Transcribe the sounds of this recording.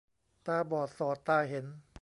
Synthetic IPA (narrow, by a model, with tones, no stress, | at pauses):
t̪aː˧˩bɔː˨˩t̪̚sɔː˨˩t̪ːaː˧˩ɦe˩˦n